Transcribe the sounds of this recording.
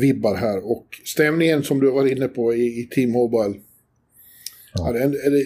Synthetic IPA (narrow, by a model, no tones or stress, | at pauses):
vɪbːaɾɦæːɾɔkst̪ɛmnɪŋənsɔmd̪ɵhaɾvaɾɪnːəpʰɔɪːt̪ʰiːmːɔbal | haɖɛnɛlːə